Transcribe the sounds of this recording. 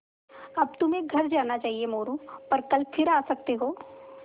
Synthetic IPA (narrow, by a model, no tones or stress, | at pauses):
ɐb̚t̪ʊmẽɡʱɐɾd͡ʒaːnat͡ʃaːɦiemoːɾũpɐɾkɐlfʰɪɾaːsɐk̚t̪eɦoː